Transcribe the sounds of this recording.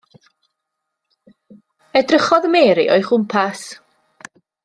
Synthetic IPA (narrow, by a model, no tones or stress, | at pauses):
ɛdrəχɔðəmeːɾḭʔo̰jχʊmpʰas